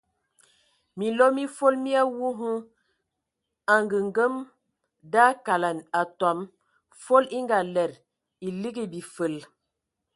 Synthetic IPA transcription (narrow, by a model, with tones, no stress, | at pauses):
mi˨lo˦mi˦fo˦lmi˦a˦wu˦ɦu˦ | a˨ŋɡə˨ŋɡə˦m | da˦ka˨la˨na˨ta˨m | fo˦li˦ŋɡa˨lɛ˨ɾ | i˨li˦ɡi˦˨bi˨fə˨l